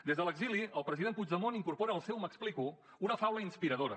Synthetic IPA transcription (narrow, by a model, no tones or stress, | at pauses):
d̪ezðələɡziliəlˠpɾəziðenmpuzəmoniŋkurpoɾəːlˠsɛwməkspliku | unəfawləinspiɾəð̞oɾə